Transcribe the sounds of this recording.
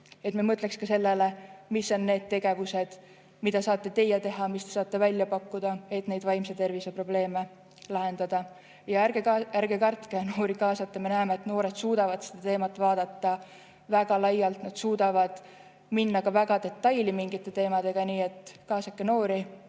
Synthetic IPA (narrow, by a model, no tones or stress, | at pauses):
e̞t̪memɤt̪le̞kskɑse̞lːelemisːo̞nːe̞ːd̪̥̚t̪e̞ɡ̥e̞vuse̞d̪̥ | mid̪̥ɑsɑːt̪ːe̞t̪e̞jːɑt̪e̞ɦɑmist̪e̞sɑːt̪ːˑe̞vælʲjɑpɑkːud̪̥ɑe̞t̪ne̞jd̪vɑjmset̪e̞rvise̞pro̞ble̞ːme | lɑɦe̞nd̪̥ɑd̪̥ɑ | jɑæɡeæɾɡe̞kɑrt̪keno̞ːɾikɑːsɑt̪ːˑɑme̞næemeːt̪no̞ːɾe̞d̪̥suːd̪̥ɑvɑd̪̥sed̪̥ɑt̪e̞ːmɑt̪ːˑvɑːd̪̥ɑt̪ːɑ | væɡ̥ɑlɑjːɑlt̪nɑd̪̥suːd̪̥ɑvɑd̪̥ | minːɑkɑvæɡ̥ɑd̪̥e̞t̪ːˑɑjlimiŋɡit̪ːˑe̞t̪e̞ːmɑd̪̥e̞ɡ̥ɑniːe̞t̪kɑːsɑkːeno̞ːɾi